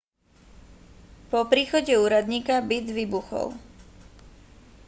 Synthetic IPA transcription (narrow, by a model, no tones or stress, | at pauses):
pɔpɾiːxɔɟɛuːɾad̪ɲiːkabid̪ʋiːbuxɔ̰l